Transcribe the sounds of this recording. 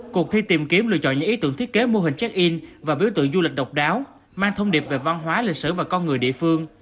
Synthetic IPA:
ku˨˩ək̚t̪ʰi˧t̪i˨˩mki˨˦əmlɨ̰˧˨ət͡ɕɔ̰˧˨nɲɨ̰˧˥ŋʔi˨˦t̪ɨ̰˧˥əŋt̪ʰi˦˥t̚ke˨˦mo˧ɦï˨˩ŋ̟t͡ɕa˦˥k̚ʔi˧nvaː˨˩ɓi˨˦əwt̪ɨ̰˧˨ŋzu˧lï˨˩k̟̚ɗə˨˩wk͡p̚ɗaː˨˦w | maː˧ŋt̪ʰə˧wŋ͡mɗi˨˩əp̚ve˨˩va˧nɦwaː˨˦li˨˩k̚sɨ̰˧˩vaː˨˩kɔ˧nŋɨ˨˩əjɗḭ˧˨əfɨ˧əŋ

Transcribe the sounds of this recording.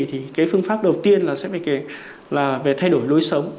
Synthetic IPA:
t̪ʰi˨˩kaː˨˦jfɨ˧əŋfaː˦˥p̚ɗə˨˩wt̪i˧ənlaː˨˩sɛ̰˧˥va˨˩ka˨˦ | laː˨˩ve˨˩t̪ʰa˧jɗo˧˩jlo˨˦jsə˨˦wŋ͡m

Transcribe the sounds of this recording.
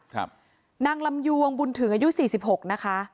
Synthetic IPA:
kʰ | naː˧ŋla˧mju˧əŋbu˧nt̪ʰɯ˩˦ŋʔaː˧ju˦˥siː˨˩si˨˩p̚ho˨˩k̚na˦˥kʰa˦˥ʔ

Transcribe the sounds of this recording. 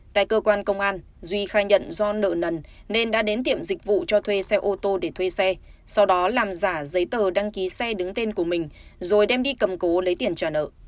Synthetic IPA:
t̪a̰ː˧˨jkəː˧kwaː˧nkə˧wŋ͡mʔaː˧n | zwi˧xaː˧˩jɲə̰˧˨nzɔ˧nə̰ː˧˨nə˨˩n | ne˧nɗa̰ː˧˥ɗe˨˦nt̪ḭ˧˨əmzï˨˩k̟̚vṵ˧˨t͡ɕɔ˧t̪ʰwe˧sɛ˧ʔo˧t̪o˧ɗe˧˩t̪ʰwe˧sɛ˧sa˧wɗɔ˨˦laː˨˩mzaː˧˩zə˨˦jt̪əː˨˩ɗa˧ŋki˨˦sɛ˧ɗɨ˨˦ŋt̪e˧nku˧˩əmï˨˩ŋ̟zo˨˩jɗɛ˧mɗi˧kə˨˩mko˨˦lə˨˦jt̪i˧˩ənt͡ɕaː˧˩nə̰ː˧˨

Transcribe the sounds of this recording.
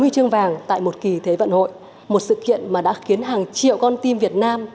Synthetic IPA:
ɨ˧jt͡ɕɨ˧əŋvaː˨˩ŋt̪a̰ː˧˨jmo˨˩t̚ki˨˩t̪ʰe˨˦və̰˧˨nho̰˧˨j | mo˨˩t̚sɨ̰˧˨kḭ˧˨ənmaː˨˩ɗa̰ː˧˥xi˨˦ənɦaː˨˩ŋt͡ɕḭ˧˨əwkɔ˧nt̪i˧mvi˨˩ət̚naː˧m

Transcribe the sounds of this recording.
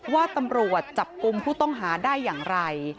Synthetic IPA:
waː˥˩t̪a˧mɾu˨˩ət̪̚t͡ɕa˨˩p̚ku˧mpʰuː˥˩t̪ɔ˥˩ŋɦaː˩˦daː˥˩jːaː˨˩ŋɾa˧j

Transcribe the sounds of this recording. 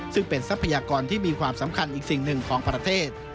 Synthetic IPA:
sɯ˥˩ŋpe˧nsa˦˥pʰːa˧jaː˧kɔː˧nt̪ʰiː˥˩miː˧kʰwaː˧msa˩˦mkʰa˧nʔiː˨˩k̚si˨˩ŋnɯ˨˩ŋkʰɔː˩˦ŋpɾa˧t̪ʰeː˥˩t̪̚

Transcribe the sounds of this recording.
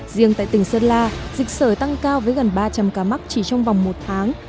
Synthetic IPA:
zi˧˨əŋt̪a̰ː˧˨jt̪ï˧˩ŋsəː˧nlaː˧zï˨˩k̟̚səː˧˩jt̪a˧ŋkaː˧wvəː˨˦jɣə˨˩nɓaː˧t͡ɕa˧˩mkaː˧˩ma˦˥k̚t͡ɕi˧˩t͡ɕɔ˧wŋ͡mva˨˩wŋ͡mmo˨˩t̚t̪ʰaː˨˦ŋ

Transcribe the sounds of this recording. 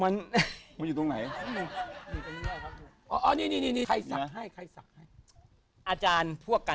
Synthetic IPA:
ma˦˥nma˦nju˨˩t̪o˧ŋna˩˦jnuː˧˩ka˧niː˦˥˩jaː˥˩kʰa˦˥˧ | ʔɔː˧˩ʔɔː˧˩niː˥˩niː˥˩niː˥˩niː˦˧kʰa˧jsa˨ɦa˥˩jkʰa˧jsa˨˩k̚ha˥˩j | ʔaː˧t͡ɕaː˧npʰu˥˩əkːa˧

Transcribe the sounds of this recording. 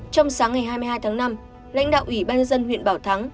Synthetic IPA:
t͡ɕɔ˧wŋ͡msaː˨˦ŋa˨˩jɦaː˧jmɨ˧haː˧jt̪ʰaː˨˦ŋna˧m | la̰˧˥ŋɗa̰ː˧˨wʔwi˧˩ɓaː˧nɲə˧nzə˧nhw̰ənɓaː˧˩wt̪ʰa˨˦ŋ

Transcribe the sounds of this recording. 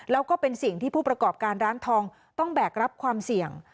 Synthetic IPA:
lɛː˦˥wkɔː˥˩pe˧nsi˨˩ŋt̪ʰiː˥˩pʰuː˥˩pɾa˧kɔː˨˩p̚kaː˧nɾaː˦˥nt̪ʰɔː˧ŋ | t̪ɔ˥˩ŋbɛː˨˩k̚ɾa˦˥p̚kʰwaː˧msi˨˩əŋ

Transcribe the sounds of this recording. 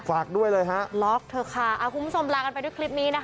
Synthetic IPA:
faː˨˩k̚du˥˩əjlɤː˧jɦa˦˥ʔlɔː˦˥k̚t̪ʰɤː˧kʰa˥˩ʔaː˧˨˩wkʰu˧mbu˦˥t͡ɕʰo˧mɾaː˧ka˧npa˧du˥˩˨kʰli˦˥p̚niː˦˥na˦˥k

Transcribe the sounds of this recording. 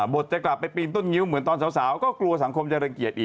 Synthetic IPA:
bo˨˩t̪̚t͡ɕa˨˩kla˨˩pːa˧jpiː˧nt̪o˥˩nŋi˦˥wmɯ˨˩˦ənt̪ɔː˧nsaː˩˦wsaː˩˦wkɔː˥˩klu˧ɐsa˩˦ŋkʰo˧mt͡ɕa˨˧˩ɾə˧ŋki˨˩ət̪̚ʔiː˨˩

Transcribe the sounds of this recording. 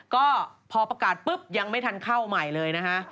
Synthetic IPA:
kɔː˥˩pʰɔː˧pɾa˧kaː˨˩t̪̚pɯ˦˥p̚ja˧ŋma˥˩jt̪ʰa˧nkʰaː˥˩wma˨˩jlɤː˧jna˦˥kʰa˦˥ʔ

